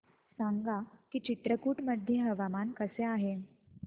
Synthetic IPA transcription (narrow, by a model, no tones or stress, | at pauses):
saŋɡakiːt͡ɕit̪ɾəkuːʈməd̪ʱjeɦəʋamankəseaɦe